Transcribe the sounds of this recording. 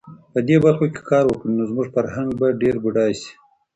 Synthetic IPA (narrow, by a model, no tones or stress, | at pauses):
pəd̪ebaɾxoke̥kʰɑɾwəkɽinozmuʐfaɾhaŋɡ̚baɖeɾbuɖɑjsi̥